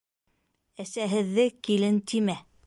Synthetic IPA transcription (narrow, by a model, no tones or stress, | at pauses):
æsæɦɘ̆ðːɘkilɘnt̪imæ